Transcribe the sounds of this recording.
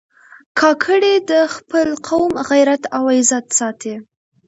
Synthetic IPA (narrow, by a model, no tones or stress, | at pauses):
kʰɑkʰəɽed̪əxpəlqʰawmɣajɾat̪awajzat̪sɑt̪ʰe